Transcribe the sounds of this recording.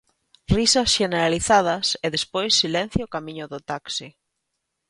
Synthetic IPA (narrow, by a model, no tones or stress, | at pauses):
risɐsʃeneɾaliθað̞ɐseðespojsːilẽn̟θjʊkamĩɲʊðʊt̪aksi